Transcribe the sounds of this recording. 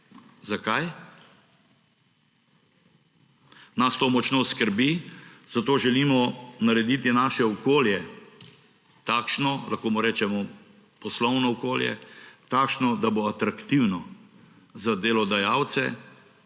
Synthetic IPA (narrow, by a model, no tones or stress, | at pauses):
zakaj | nast̪oːmɔt͡ʃnoːskəɾbiz̥at̪oːʒɛlimɔnaɾɛd̪it̪inaːʃɛɔkoːljɛ | t̪aːkʃnɔla̰xkoːmɔɾeːt͡ʃɛmɔ | pɔslɔwnɔɔkoːljɛ̰t̪aːkʃnɔd̪aboat̪ɾakt̪iwnɔ | zad̪eːlɔd̪ajawt̪sɛ̰